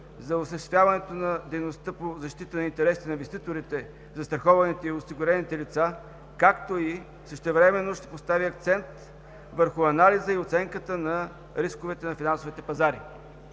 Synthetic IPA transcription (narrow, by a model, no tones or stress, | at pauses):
zɐosʃɛst̪vʲjavɐnɛt̪onɐd̪ɛjnost̪əpozɐʃt̪it̪ənɐint̪ɛɾɛsi̥t̪ɛniñvɛst̪it̪oɾit̪ɛ | zɐst̪ɾɐxɔvɐnit̪ɛiosiɡʊɾɛnit̪ɛlit̪sa | kakt̪oi | səʃt̪ɛvɾɛmɛnːoʃt̪ɛ̥post̪aviɐk̚t̪sɛnt̪ | vəɾxʊɐnalizəiot̪sɛŋkət̪ənɐ | ɾiskovɛt̪ɛnɐfinansʊvit̪ɛpɐzaɾi